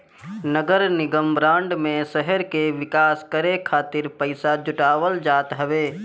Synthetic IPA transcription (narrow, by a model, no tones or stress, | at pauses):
nəɡəɾnɪɡəmbɾãːɳɖmẽsɛɦəɾkeʋɪkaːskəɾekʰaːt̪ɪɾpəɪsad͡ʒʊʈaːʋəld͡ʒaːt̪ɦəʋeː